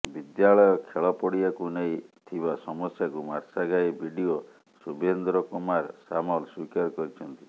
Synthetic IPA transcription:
bid̪jaɭɔjɔkʰeɭɔpɔɽiakunejt̪ʰibasɔmɔsjakumaɾsaɡajbʱiɖio | subend̪ɾɔkumaɾsamɔlswikaɾɔkɔɾit͡ʃʰɔnt̪i

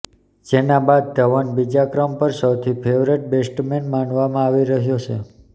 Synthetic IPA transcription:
d͡ʒenabad̪̚ːəʋanbid͡ʒakɾəmpəɾsəwt̪ʰipʰeʋɾeʈ̚besʈmenmanʋamãaʋiɾəɦjot͡ʃʰe

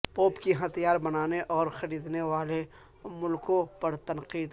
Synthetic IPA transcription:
poːpkiɦɐt̪ijaːɾbɐnaːneʔɔːɾxɐɾiːd̪neʋaːle | mʊlkõpɐɾt̪ɐnqiːd̪

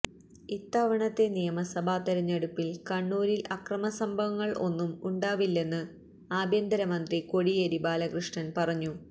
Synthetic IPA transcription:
it̪ːaːʋɐɳɐt̪ːe̞nijɐmɐsɐbʱaːt̪ɐɾɐɲːeɽupːilkɐɳːuːɾilɐkrɐmɐsɐmbʱɐʋɐŋːɐɭo̞nːumuɳɖaːʋilːe̞nːɨ | aːbʱjɐnd̪ɐɾɐmɐnd̪riko̞ɽijeɾibaːlɐkrɨʂɳɐnpɐrɐɲːu

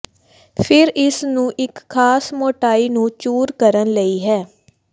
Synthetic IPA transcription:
pʰɪɾɪsnũːʔɪkʰːaːsmoːʈaːiːnũːt͡ʃuːɾkəɾənləiːɦɛː

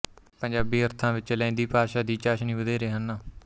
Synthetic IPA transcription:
pəɲd͡ʒaːbiːəɾt̪ʰãːʋɪt͡ʃlɛ̃ːnd̪iːpaːʃaːd̪iːt͡ʃaːʃnĩːʋəd̪eːɾeːɦənːaː

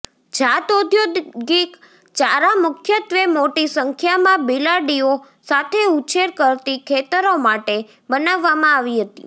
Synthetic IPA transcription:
d͡ʒat̪od̪ʱjod̪ɡik | t͡ʃaɾamʊkʰjət̪ʋemoʈisəŋkʰjamãbilaɖio | sat̪ʰeut͡ʃeɾkəɾt̪ikʰet̪əɾomaʈe | bənaʋːamãaʋiɦət̪ḭ

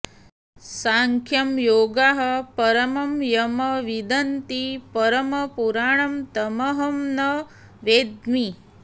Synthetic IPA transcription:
saːŋkʰjɐmjoːɡaːɦɐpɐɾɐmɐmjɐmɐʋid̪ɐnt̪ipɐɾɐmɐpuɾaːɳɐmt̪ɐmɐɦɐmnɐ | ʋeːd̪mi

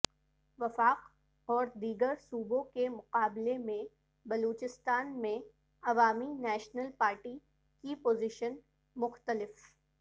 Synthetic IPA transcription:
ʋɐfaːq | ɔːɾd̪iːɡəɾsuːbõkemʊqaːblemẽ | bɐluːt͡ʃɪst̪aːnmẽ | ɐʋaːminɛːʃnəlpaːɾʈi | kipoːzɪʃən | mʊxt̪əlɪf

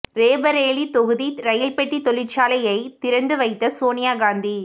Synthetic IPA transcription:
ɾeːbɐɾeːlit̪ɔɣɯðiɾɐjɪlpɛʈːit̪ɔɭɪt͡ʃaːlɐjɐɪt̪ɪɾɐnd̪ɯʋɐɪt̪ːɐsoːnɪjaːɡaːnd̪i

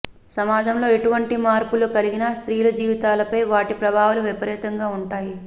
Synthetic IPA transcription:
sɐmaːd͡ʒɐmlo̞ːeʈuʋɐɳʈimaːɾpulukɐliɡinɐst̪ɾiːjlɐd͡ʒiːʋit̪aːlɐpɐjʋaːʈipɾɐbʱaːʋuluʋipɐɾɛːt̪ɐŋɡaːuɳʈaːji

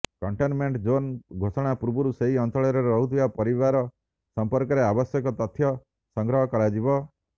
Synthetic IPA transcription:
kɔɳʈenmeɳʈd͡ʒonɡʱosɔɽ̃apuɾbuɾuseɦiɔnt̪ɔɭɔɾɔɾɾɔɦut̪ʰibapɔɾiβaɾɔ | sɔmpɔɾkɔɾeabɔsjɔkɔt̪ɔt̪ʰːjɔ | sɔŋɡɾɔɦɔkɔɭad͡ʒibɔ

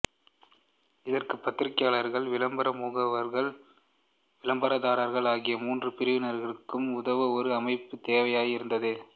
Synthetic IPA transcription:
ɪðɐrkɯpːɐt̪ːɪɾɪkːɐjaːɭɐɾɣɐɭʋɪɭɐmbɐɾɐmuːɣɐʋɐɾɣɐɭ | ʋɪlɐmbɐɾɐðaːɾɐɾɣɐɭaːɣɪjɐmuːndrɯpɪɾɯʋɪnɐɾɣɐɭɯkːɯmʊðɐʋɯɔɾɯɐmɐɪpːɯt̪eːʋɐjaːjɪɾɯnd̪ɐðɯ

